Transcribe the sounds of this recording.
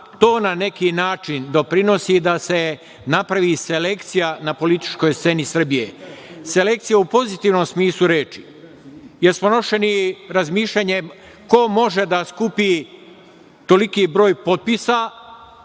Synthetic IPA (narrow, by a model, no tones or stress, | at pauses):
t̪o̞ːnane̞kinaːt͡ʃind̪o̞pɾino̞sid̪ase̞ | napɾaʋise̞le̞kt̪sijanapo̞lit̪i̥t͡ʃko̞jst̪se̞nisr̩bije̞se̞le̞k̚t̪sijaupo̞zit̪iːʋno̞msmiːslˠuɾe̞ːt͡ʃi̥ | jelsmono̞ʃe̞niɾazmiːʃʎaɲe̞ | ko̞mo̞ʒe̞d̪askupi | t̪o̞likiːbɾo̞ːjpo̞t̪̚pisa